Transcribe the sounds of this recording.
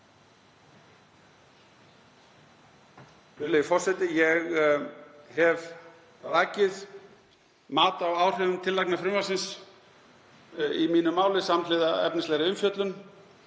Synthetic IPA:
ʏlejɪfɔr̥sɛt̪ɪjɛɣ | hɛv | ɾacɪð | maːt̪awaːwr̥œvʏmt̪ʰɪlːajknafɾʏmvasɪns | imiːnʏmaːwlɪsamt̪lɪːðaɛ̰pnɪst̪ɛɣɾɪʏmfjœt̪lʏn

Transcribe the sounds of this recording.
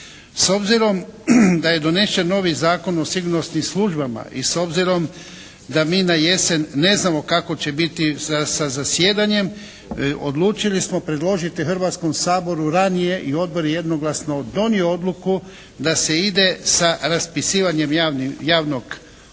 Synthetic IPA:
so̞bziɾo̞md̪aje̞d̪o̞ne̞ʃt͡ʃenːo̞ʋizaːko̞no̞siɡuɾno̞st̪nimslˠuʒbama̰ʔiso̞bziɾo̞m | d̪amiːnaje̞se̞nːe̞znamo̞kako̞t͡ɕe̞bit̪iasazasjeːd̪aɲe̞m | o̞̰d̪lˠuːt͡ʃilismo̞pɾe̞d̪lˠo̞ʒit̪ixrʋaːt̪sko̞msaːbo̞ɾuɾanije̞ʔio̞d̪̚bo̞ɾjejed̪no̞ɡlˠasno̞d̪o̞nioo̞d̪lˠuku | d̪ase̞id̪e̞saɾaspisiːʋaɲe̞mjaːʋno̞ɡ

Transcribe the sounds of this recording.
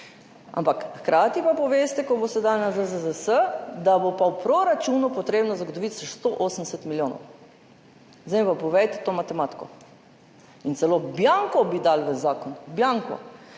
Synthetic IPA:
a̰mpakxkɾʔaːt̪ipapɔʋeːst̪ɛkɔbost̪ɛd̪alnazəzəzəsəd̪abopawpɾoɾat͡ʃuːnupɔt̪ɾeːbnɔzaɡot̪ɔʋit̪səʃst̪oʔoːsənd̪ɛsɛt̪miljoːnɔ̰w | zepapɔʋɛjt̪ɛt̪oːmat̪ɛmaːt̪i̥kɔ̰ | int̪sɛloːbjaŋkɔbid̪alʋəzaːkɔnbjaŋkɔ̰

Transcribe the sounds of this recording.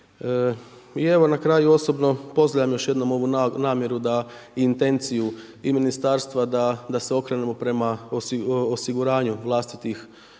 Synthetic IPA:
ie̞ʋo̞nakɾaːjuo̞so̞bno̞po̞zlaʎamjo̞ʃje̞d̪no̞mo̞ʋunaːmje̞ɾud̪aiint̪e̞nt̪sijuiminist̪aɾst̪ʋad̪ad̪aseo̞kɾenemo̞pɾe̞maososiɡuɾaːɲuʋlˠast̪it̪ix

